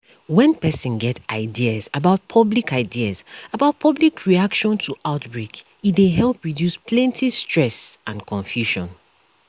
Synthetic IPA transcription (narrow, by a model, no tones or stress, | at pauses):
wɛ̃npɛsĩnɡɛtaɪdiəzabaʊt̚pʰʌblikaɪdiəzabaʊt̚pʰʌblikʰɹiakʃɔ̃ntʰuʔaʊtbɹek | ideɦɛlˠpɹidjuspʰlɛ̃ntʰistɹɛsʔãnkʰɔ̃ɱfjuʃɔ̃n